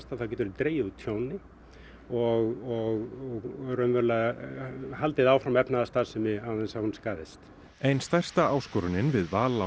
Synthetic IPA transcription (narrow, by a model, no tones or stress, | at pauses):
t̪aðθawcɛːt̪ʏɾt̪ɾeːjɪðut̪ʰjoːwnɪ | ɔɣɔɣɔɣɾœmvœɾla | halt̪ɪðawfɾamɛpnaðast̪aːðsʏmɪawðɛnsahunskaːðɪst̪ | ejnst̪ajr̥st̪aaːwskɔːɾʏnɪnvɪðvaːla